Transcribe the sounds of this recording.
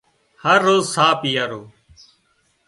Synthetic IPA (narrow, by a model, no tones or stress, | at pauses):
həɾːoːzsaːpijaːɾoː